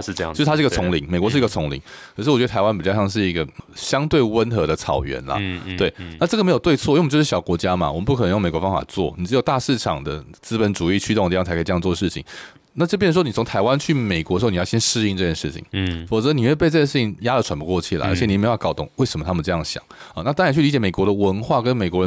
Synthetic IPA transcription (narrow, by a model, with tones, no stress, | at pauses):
a˥˧ɡə˧t͡sʰʊ˧˥ŋli˧˥˦ŋme˨˩ɪkwɔ˧ʂɻ̩˥˧˥ɡə˧t͡sʰʊ˧˦˥ŋlḭ˧˦ŋkʰʂɻ̩˥˩ɔ˨t͡ɕɥɛ˧˥ə˧tʰa˧ɪa˥np̬i˨˩jɑ˥ʂjɑ˥˧ŋʂɻ̩˥˩i˧˥ɡə˨ɕjɑ˥ŋt̪we˥˩ɪwə˦nxɤ˧˥d̪ə˧t͡sʰɑ˨˩ʊɥɛ̰˧˦˥nlɐ̰˨˦t̪we˥˩ɪa˥˩ʈ͡ʂə˥˩ɡə˨me˧˥ɪjo˨˩t̪we˥˧ɪt͡sʰwɔ˥˨jjo˥˧ʊ˥ʂ̩˥˧˩jɑ˨˩ʊkwɔ˧˥t͡ɕja˥ma̰˨wə˦pu˥k̪ʰŋjo˥˩ŋme˨˩kwɔ˧˦fɑ˥ŋfa̰˨˩t͡swɔ̰˥˩ni˨˩ʈ͡ʂɻ̩˧˥jʊt̪a˥˧ʂɻ̩˥˩ʈ͡ʂʰɑ̰˨˩ŋd̪ə˦t͡sɹ̩˥pə˧˦nʈ͡ʂu˨˩i˥˩t͡ɕʰy˥o˥˧ŋ˧˥˧jʰkʰːŋ˩t͡swɔ˥˩ə˧ʂɻ̩˥˩t͡ɕʰḭ˨˦ŋ | na˥˩t͡ɕo˥˩pjʂə˧˥wo˥ni˨˩ʊ˧˥ŋt̪ʰa˧˥ɪwa˦nt͡ɕʰy˥˩me˨˩ɪkwɔ˧˥d̩˧˥˧n˨jɕjɛ˥nʂɻ̩˥˧i˥˧nʈ͡ʂɤ˥˧t͡ɕjɛ˥n˩ʂɻ̩˥˩t͡ɕʰḭ˨˩ŋfo˨˩t͡sə˧˦ni˨˩we˥˧ɪpe˥˧ʈ͡ʂɤ˥˩ɡə˩ʂɻ̩ʰ˥˩i˨˦ŋja˥ɾə˨wa˧˥npu˧˥kwɔ˥˧t͡ɕʰy˥˩la̰˨˩ə̰˧˥t͡ɕʰɛ˧ni˨˩˥kɑ˥˩ʊt̪ʊ˥˩ŋwe˥˩ɪʂə˨˦mə˧t̪ʰa˥mə˨˧ʈ͡ʂɤ˥˧jɑ˥˩ŋɕjɑ̰˨˩˦ə˨˦na˥t̪ɑ˥ŋa˧n˥t͡ɕʰy˥˩li˧˥t͡ɕjme˨˩kwɔ˧˥ɾə˨wə˧˥nxwa˥˩kə˧˦nme˨˩ɪkwɔ˧˥ɻə˧˦